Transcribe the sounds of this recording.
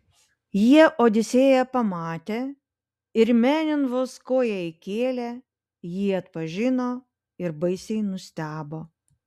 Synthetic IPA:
jiɛʔoːd̪ʲɪsʲeːjɛpɐmɑːt̪ʲeː | ɪɾmʲæːnʲɪnʋoːskoːjɛɪkʲeːlʲɛ | jiːɐt̪pɐʒʲɪnoː | ɪɾbɐɪsʲɛɪnʊsʲt̪ʲæːboː

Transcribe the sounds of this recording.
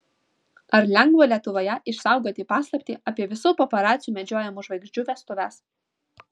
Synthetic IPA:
ɐɾlʲɛŋɡʋoːlʲiɛt̪ʊʋoːjɛʔɪʃsɑˑʊɡoːt̪ʲiːpɑːslˠɐpʲt̪ʲiːʔɑpʲiɛʋʲɪsuːpɔːpɐɾɑːt̪sʲɪjuːmʲɛd͡ʒʲoːjɛmuːʒʋɐɪɡʒʲd͡ʒʲuːʋʲɛst̪ʊʋʲæs

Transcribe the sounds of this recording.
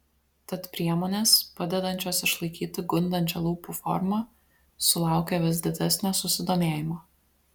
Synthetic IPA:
t̪ɐt̪pʲɾʲiɛmoːnʲeːspɐd̪ʲɛd̪ɐnʲt͡ʃʲoːsɪʃlˠɐɪkʲiːt̪ʲɪɡʊnʲd̪ɐnʲt͡ʃʲolˠuːpufɔ̰ɾmɐ | sʊlˠɑˑʊkʲɛʋʲɪsd̪ʲɪd̪ʲæsʲnʲoːsʊsʲɪd̪oːmʲeːjɪmoː

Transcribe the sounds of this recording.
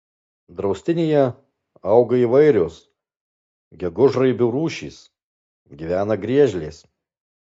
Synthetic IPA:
d̪ɾɒʊsʲt̪ʲɪnʲejɛ | ɐʊɡɐiːʋɐɪɾʲoːs | ɡʲɛɡʊʒɾɐɪbʲʊɾuːʃʲḭːs | ɡʲiʋʲæːnɐɡɾʲiɛʒʲlʲeːs

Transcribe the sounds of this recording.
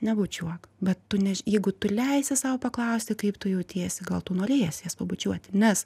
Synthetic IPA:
nʲɛbʊt͡ʃʲuɔkbʲɛt̪tʊnʲɛʒjɛɪɡʊt̪ʊlʲɛɪsʲɪsɑːʋopɐklˠɐʊsʲt̪ʲɪkɐɪpt̪ʊjɛʊt̪ʲeːsʲɪɡɐlˠt̪ʊnoːɾʲeːjɛsʲjɛspɐbʊt͡ʃʲuɔt̪ʲnʲɛs

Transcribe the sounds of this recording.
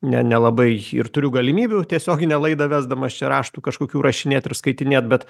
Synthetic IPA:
nʲɛ̰nʲɛlˠɐbɐɪɪ̰rt̪ʊɾʲʊɡɐlʲɪmʲiːbʲut̪ʲiɛsʲoːɡʲɪnʲɛlˠɐɪd̪ɐʋʲæːzd̪ɐmɐst͡ʃʲɛɾɑːʃt̪uːkɐʃkoːkʲuːɾɐʃʲɪnʲeːt̪ʲɪɾskɐɪt̪ʲɪnʲeːt̪bʲɛt̪

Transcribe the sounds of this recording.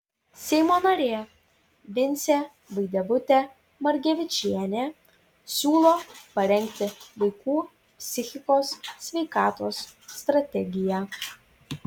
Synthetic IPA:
sʲɛɪmoːnɐɾʲeː | ʋʲɪnʲsʲeː | ʋɐɪd̪ʲɛbʊt̪ʲe | mɐɾʲɡʲɛʋʲɪt͡ʃʲiɛnʲeː | sʲuːlˠoːpɐɾʲɛŋʲk̚ʲt̪ʲɪʋɐɪkuː | pʲsʲɪxʲɪkoːssʲʋʲɛɪkɑːt̪oːsːt̪ɾɐt̪ʲɛɡʲɪjæ

